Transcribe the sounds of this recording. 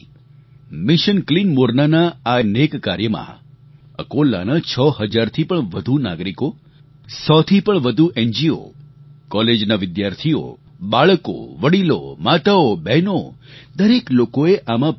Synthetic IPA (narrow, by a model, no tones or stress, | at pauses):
mɪʃənklinmoɾnanaanekːa̰ɾjəmã̰ | ə̰kolːa̰nat͡ʃʰəɦəd͡ʒaɾt̪ʰipəɳʋəd̪ʱuna̰ɡɾiko | sɔt̪ʰipəɳʋəd̪ʱuʔend͡ʒio̰kɔled͡ʒnaʋɪd̪jaɾt̪ʰio̰ | baɭko̰ʋəɽilo̰mat̪aobɛnod̪əɾeklokoeʔamã